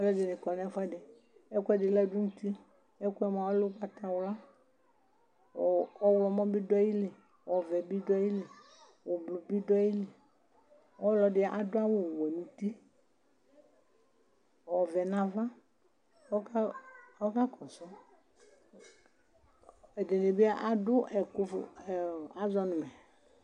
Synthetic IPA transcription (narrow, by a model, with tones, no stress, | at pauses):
ɔ˦lɔ˦dɪ˨nɪ̃˨kɔ˨nɛ̃˦fa˦dɪ˨ | ɛ˦ku˦ɛ˦dɪ˨lɛ˦dʊ˦ŋũ˦t̪i˦ | ɛ˦ku˦ɛ˦mã˨wɔ˦lʊ˦k͡pa˨t̪a˨wla˦˨ | ɔ˦wlɔ˨mɔ̃˦bi˦dɔ˦ji˦lɪ˨ | wɔ˨vɛ˨bi˦dɔ˦ji˦lɪ˨ | wɔ˨blʊ˨bi˦dɔ˦i˦lɪ˨ | wɔ˦lɔ˨dɪ˦a˨ʔa˨dʊ˦a˦wʊ˨wɛ˨nũ˨t̪i˦˨ | ɔ˨vɛ˨nã˨va˦ | kɔ˦ka˦kɔ˨sɔ˦ | ɛ˨de˨ne˨bɪ˦a˦ʔa˨dʊ˦ɛ˨kʊ˦fɛ˨a˦zɔ˦nʊ̃˨mɛ˨